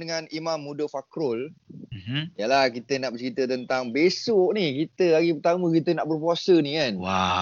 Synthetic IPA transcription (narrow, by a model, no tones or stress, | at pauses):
dəŋãnimãmːudəfakɾʊl̩ | jalahkit̪ənaʔbət͡ʃɾit̪ət̪ənt̪aŋbesoʔnikit̪əlaɡipərt̪amə̃kit̪ənaʔbərpuasənikana